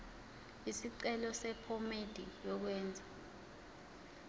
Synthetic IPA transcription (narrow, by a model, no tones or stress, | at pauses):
isiǀɛlɔsɛpʰɔmed̥ʱijɔk̬wɛːnd͡zʱa